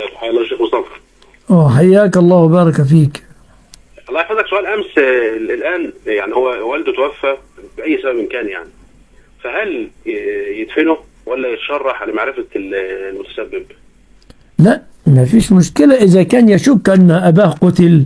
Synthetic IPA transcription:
ħaʔlːˤɑːʃeːxmʊsˤɑːfɑɾ | ʔæːħajːaːkɑlˤːɑːhwbɑːɾˤɑkæfiːk | ʔɑlˤːɑːjħad̪lːæksʊʔæːlʔæmslʔæːnjaʕnihowːæwæld̪ʊt̪wæfːæbɪʔæjːsabæbɪnkæːnja̰ʕni | fæɦæl | jɪd̪fɪnʊ | wælːæjɪt̪ʃɑrˤːɑħʕalæmaʕɾɪfælmʊt̪æ̥sæbːɪb | laʔ | mæfiːʃmʊʃkɪlaʔɪzækæːnjaʃuːkʔanːʔæbaːhqʊt̪ɪl

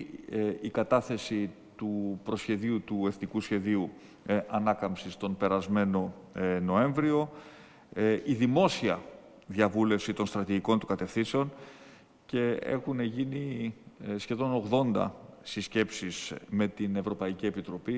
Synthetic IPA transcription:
ikɐt̪ɐθe̞si | t̪upɾo̞sçe̞ðiut̪ue̞θnikusçe̞ðiu | ʔɐnɐkɐmpsist̪o̞npe̞ɾɐzme̞no̞ | no̞e̞ɱvɾio̞ | iðimo̞siɐ | ðɐvule̞fsit̪o̞nst̪ɾɐt̪iʝiko̞nt̪ukɐt̪e̞fθinse̞o̞n | ce̞e̞̰xune̞ʝini | sçe̞ðo̞no̞ɣðo̞nd̪ɐ̰sisce̞psisme̞t̪ine̞vɾo̞pɐicie̞pit̪ɾo̞pi

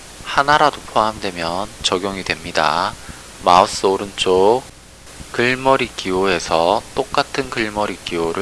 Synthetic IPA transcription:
hanaɾadopʰoamdwe̞mjʌnt͡ɕʌɡjoŋidwe̞mɲida̰ | maos͈ɯoɾɯnt͡ɕ͈o | kɯɭmʌɾikioe̞sʰʌt͈ok͈atʰɯnkɯɭmʌɾikioɾɯ

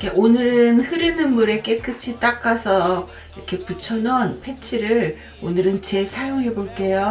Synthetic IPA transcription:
kʰeʔonɯɾɯnhɯɾinɯnmuɾe̞k͈ek͈ɯt͡ɕʰit͈ak͈asʰʌ | iɾʌkʰe̞put͡ɕʰʌnwʌnpʰe̞t͡ɕʰiɾɯɭ | onɯɾɯnt͡ɕe̞sʰajoŋɦe̞boɭk͈e̞jo

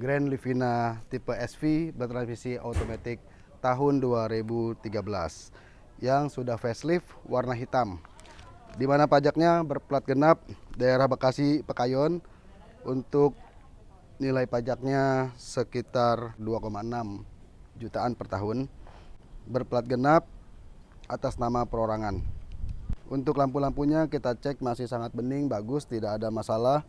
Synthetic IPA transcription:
ɡɾɛnlifinat̪ipəɛsfibərt̪ɾansfisiat̪omat̪ɪk̚ | t̪aɦʊnduaɾibut̪iɡabəla̰s | jaŋsudahfɛslɪfwarnaɦit̪am | dimanapad͡ʒak̚ɲabərpəlat̪̚ɡənap̚daeɾahbakasipəkajɔn | unt̪ʊk̚ | nilaipad͡ʒak̚ɲasəkit̪arduakomaənamd͡ʒut̪aːnpərt̪aɦʊn | bərpəlat̪̚ɡənap̚ | ʔat̪asnamapəɾoɾaŋan | ʔunt̪ʊklampulampuɲakit̪at͡ʃɛk̚masɪhsaŋat̪̚bənɪŋbaɡʊst̪idakadamasalah

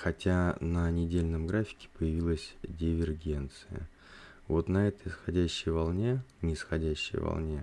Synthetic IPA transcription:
xɐtʲanənʲɪdʲelʲnəmɡɾafʲɪ̥kʲɪ̥pəjɪvʲilˠəsʲdʲɪvʲɪrɡʲe̞nt̪sɨjə̰ | vo̞t̪nɐɛt̪əjsxɐdʲæɕːɪjvalˠnʲe̞nʲɪsxɐdʲæɕːɪ̰jvɐ̰lˠnʲe̞

